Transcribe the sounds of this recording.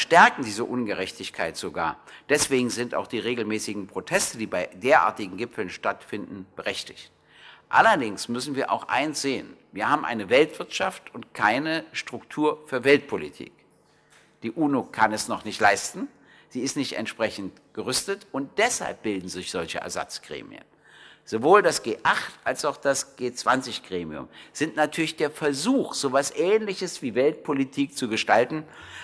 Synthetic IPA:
ʃtɛɐkŋ̩diːzəʔʊnɡəʁɛçtɪçkʰaɪtz̥oɡa̰ːɐ | d̥ɛsv̥eːɡŋ̩zɪnta̰ʊxd̥iːʁeːɡl̩mɛːsɪɡŋ̩pʁ̥otʰɛstədiːbaɪdeːɐʔa̰ːɐtɪɡŋ̩ɡɪpfl̩nʃtatfɪndn̩b̥əʁɛçtɪçt̚ | ʔa̰lɐdɪŋsmʏsn̩viːɐʔa̰ʊxʔa̰ɪnsz̥eːənviːɐhaːbm̩ʔa̰ɪnəvɛltv̥ɪɐtʃaftʊntkʰaɪnəʃtʁ̥ʊktʰuːɐfyːɐvɛlt̚pʰolitʰḭːk | d̥iːʔuːnokʰanɛsnɔχnɪçtlaɪstn̩ | z̥iːɪstnɪçtɛ̰ntʃpʁ̥ɛçn̩t | ɡ̥əʁʏstətʊnt̚d̥ɛsha̰lp̚b̥ɪldn̩zɪçz̥ɔlçə̰ʔɛ̰ɐza̰t͡sɡ̥ʁḛːmḭə̰n | z̥ovoːldasɡ̥eːʔaχtʔalsaʊxd̥asɡ̥eːt͡sv̥ant͡sɪçɡ̥ʁeːmiʊ̰mz̥ɪntnatʰyːɐlɪçd̥eːɐfɛɐzuːxz̥oːvasʔɛːnlɪçəsv̥iːvɛlt̚pʰolitʰiːk̚t͡suɡəʃtaltn̩

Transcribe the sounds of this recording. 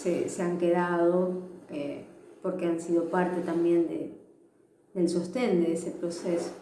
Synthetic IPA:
seseaŋkeðaðo̞epo̞ɾkeansið̞o̞paɾt̪e̞t̪ambje̞nd̪ḛ | d̪e̞lsost̪e̞nd̪eesepɾoseso̥

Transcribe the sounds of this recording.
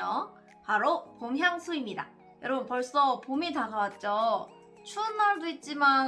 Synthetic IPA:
ʌ | paɾopomɦjaŋsʰuimɲida̰ | jʌɾʌbɯnpʌɭs͈ʌpomitaɡawat̚t͡ɕ͈o | t͡ɕʰuːnːaɭdoit̚t͡ɕ͈iman

